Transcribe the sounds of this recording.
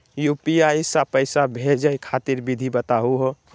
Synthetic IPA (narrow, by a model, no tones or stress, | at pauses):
jupiaisapəɪsabʱed͡ʒəjkʰat̪iɾbid̪ʱibət̪aɦuɦo